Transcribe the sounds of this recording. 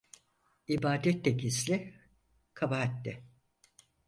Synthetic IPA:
ibaːd̪ɛt̪ːɛkʰislʲɪ | kʰabaɦat̪ːɛ

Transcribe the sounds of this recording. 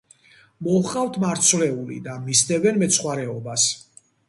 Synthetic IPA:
mɔχqʼavt̪ʰmaɾt̪sʰvlɛulḭd̪amisd̪ɛvɛnmɛt̪sʰχwaɾɛɔbas

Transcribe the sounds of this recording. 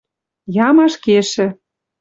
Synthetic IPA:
jɑmɑʃkeʃɘ̆

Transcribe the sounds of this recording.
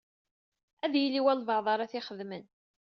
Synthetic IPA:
æðjilːiwælvɑʕðˤɑɾˤæθɪχəðmən

